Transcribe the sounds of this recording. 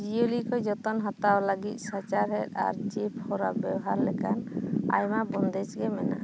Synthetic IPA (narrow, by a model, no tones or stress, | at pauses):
d͡ʒijolikʰɔjd͡ʒɔt̪ɔnɦat̪awlaɡit̪̚sat͡ʃaɾɦɛt̪̚a̰ɾd͡ʒipʰhɔɾabɛbɔɦaɾlɛkana̰jmabɔnd̪ɛt͡ʃɡɛmɛna̰